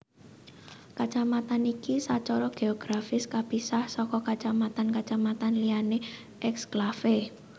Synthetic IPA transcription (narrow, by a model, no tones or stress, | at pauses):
kat͡ʃamat̪anikisat͡ʃɔɾɔɡ̥eɔɡ̥ɾafɪskapisahsɔkɔkat͡ʃamat̪ankat͡ʃamat̪anliane | ʔɛksɡ̥lafe